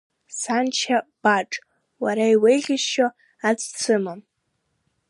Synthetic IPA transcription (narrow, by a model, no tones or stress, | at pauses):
sant͡ʃʰab̥aʈ͡ʂʼ | waɾaiwejʁʲɪʃʃo | at͡sʰʼt͡sʰɨmam